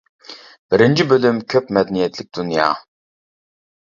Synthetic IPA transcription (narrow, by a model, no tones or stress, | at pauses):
b̥ɪɾɪnd͡ʒʰibølymkʲʰøpmɛd̪ɛnijɛt̪ʰlɪk̚ʲd̪unjɑ̰ː